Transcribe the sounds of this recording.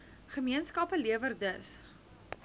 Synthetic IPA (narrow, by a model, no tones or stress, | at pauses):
χəmiənskɐpəliəvərdəs